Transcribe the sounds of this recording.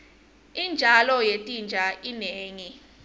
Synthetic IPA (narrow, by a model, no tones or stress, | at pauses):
ind͡ʒʱalɔjetʼind͡ʒʱaʔineːŋi